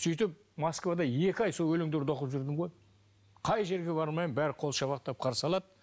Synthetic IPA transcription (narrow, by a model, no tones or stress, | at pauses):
sijt̪ɪp̚ | moskvad̪ɑje̞kʲɪɑjsolˠwɵlɪŋd̪eɾd̪ʰo̞qəpʒʏɾd̪ɪmʁo̞j | qʰɑjʒe̞ɾɡʲe̞bɑɾmɑjmbæɾqʰo̞lˠʃɑbɑqt̪ɑp̚qʰɑɾsɑlˠɑd̪